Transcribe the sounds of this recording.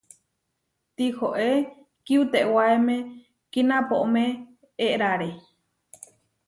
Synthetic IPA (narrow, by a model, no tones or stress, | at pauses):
t̪ihoʔe | kiut̪eʔwaemẽ | kinãpoʔomẽ | eʔɾaɾe